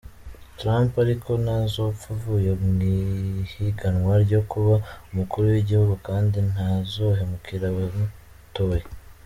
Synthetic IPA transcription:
tɾaːmpaɾikʰo̞nazo̞fuvuje̞mŋihiɡanwaɾɟo̞kuβaumukuɾuwiɟihuɡukaːndin̥azoɦe̞mukiɾawemu | toje

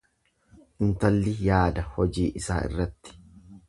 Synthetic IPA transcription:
ɪnt̪ɐlːɪjaːd̪ɐhɔd͡ʒiːʔɪsa̰ːɪ̰rːɐt̪ːɪ̥

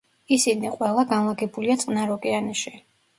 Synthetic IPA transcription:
isiniqʼwɛlˠaɡanlˠaɡɛbuliat̪sʼnaɾɔkʼɛaniʃi

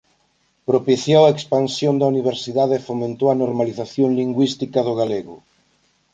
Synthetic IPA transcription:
pɾopiθjoaekspansjond̪ɐuniβ̞eɾsiðaðeːfomẽnt̪oɐnoɾmaliθaθjoŋliŋɡwist̪ikaðʊɣaleɣʊ̰

